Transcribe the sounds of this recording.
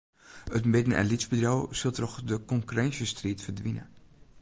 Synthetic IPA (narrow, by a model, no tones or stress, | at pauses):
ətmɪdənʔɛ̰nlitzbədrɔwsəlˠtɔxdəkɔŋkyrɛnsəstriːtfərdʋinə̰